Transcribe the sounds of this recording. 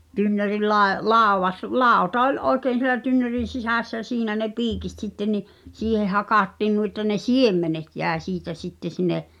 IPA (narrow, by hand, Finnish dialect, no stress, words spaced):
tynːøril lɑe lɑˑoʋɑs lɑˑotɑ olˑ ʔoi̞keːn̞ sielæ tynːø̝rin̞ sisæˑsːæ j̆æ̆ siːnæ ne piːkit sitːe ni siːheh̆ hɑkɑˑtːiːn nui ĕtːæ ne siemːenet jæˑe siːtæ sitːe sineʔ